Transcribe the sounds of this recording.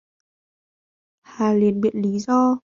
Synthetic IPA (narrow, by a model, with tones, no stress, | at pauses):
haː˨˩li˨˩ənɓḭ˧˨ənli˨˦zɔ˧